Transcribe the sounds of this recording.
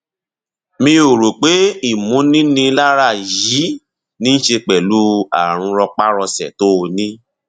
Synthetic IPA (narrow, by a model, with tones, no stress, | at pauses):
mĩ˧o˨ɾo˨k͡pe˨˦i˦˨mũ˨˦nĩ˦nĩ˧˦la˦ɾa˦˨ji˨˦ | nĩ˦n̩˦ʃe˧k͡pɛ˨lu˦a̰˦˨ɾ̃ũ˧ɾɔ˧k͡pa˦ɾɔ˧sɛ̰˨to˦o˧nĩ˦